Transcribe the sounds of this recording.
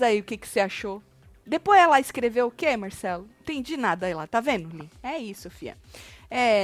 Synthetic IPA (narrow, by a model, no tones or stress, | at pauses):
zaiʊkekɪ̥seaʃo | d̪epojzɛlaɪskɾevewʊkeɛmaɾsɛlʊĩt̪ẽd͡ʒinad̪ɐilat̪avẽd̪ʊliɛisʊofiɐ̰ɛ